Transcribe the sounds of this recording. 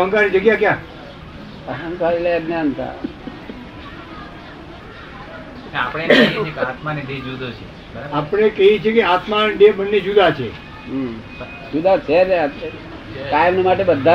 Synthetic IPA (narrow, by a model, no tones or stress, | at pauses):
əŋkanid͡ʒəɡjakja | aɦənkaɾleəɡ̪njant̪ʰa̰ | ãapɽ̃eeekat̪maneɖed͡ʒud̪ot͡ʃʰe | bəɾapɽ̃ekəit͡ʃʰekeat̪maɖebənːed͡ʒud̪ʱat͡ʃʰe | d͡ʒud̪ʱat͡ʃʰed̪ | kajəmnemaʈ̬ebəd̪ʱːa